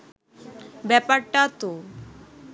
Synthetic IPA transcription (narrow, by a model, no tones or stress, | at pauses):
bɛpaʈat̪o